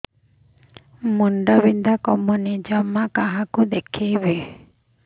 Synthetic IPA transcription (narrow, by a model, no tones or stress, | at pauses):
muɳɖɔbind̪ʱakɔmɔnid͡ʒɔmːakaɦakud̪ekʰijbe